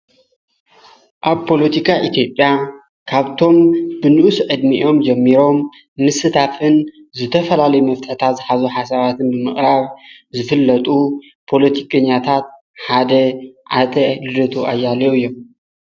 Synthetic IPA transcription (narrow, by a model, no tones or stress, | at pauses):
ʔaβpʰo̞lɐt̪ʰikʰaʔit̪ʰjo̞pʼːja | kʰaβt̪ʰo̞mbɨnɨʔusʔʼɨd̪miʔo̞md͡ʒɐmːiɾo̞mː | ɨsɨt̪ʰafɨn | zɨt̪ʰɐfɐlalɐjumɐft̪ʰʼɨħt̪ʰat̪zɨħazuħasaβat̪ʰɨnbɨmɨχʼɾaβ | zɨfɨlːɐt̪ʼu | pʰo̞lɐt̪ʰikʼɐɲːat̪ʰat̪̚ | ħad̪ɐʕat̪ʼɐlɨd̪ɐt̪ʰuʔajːalɐjuɨjːo̞m